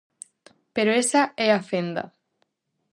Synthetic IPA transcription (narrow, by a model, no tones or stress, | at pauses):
peɾoesaɛafend̪ɐ̰